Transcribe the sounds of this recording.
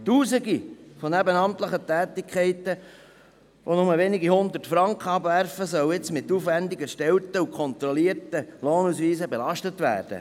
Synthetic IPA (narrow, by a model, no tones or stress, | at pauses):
tuːsiɡifonæbənɑmtləχətɛːtɪkʰχɛɪtə | ʋʔonʊməʋeniɡihʊnd̪ərtfɾɑŋkχəɑbʋæɾfəsœwɪt͡smɪt̪ːuːfʋændɪɡəʃtɛltəukʰɔnt̪ɾɔliːəɾtəloːnusʋiːsəbelɑʃtətʋæ̰ːɾd̥ə̰